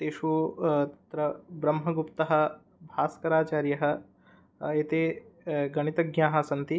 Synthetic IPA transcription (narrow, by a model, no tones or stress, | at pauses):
t̪eːʃuːt̪ɐt̪ɾɐbɾɐmɦɐɡupt̪ɐɦɐ̆ | bʱaːskɐɾaːt͡ʃaːɾjɐɦɐ̆ | eːt̪eːɡɐɽ̃it̪ɐɡjaːɦɐ̆sɐnt̪i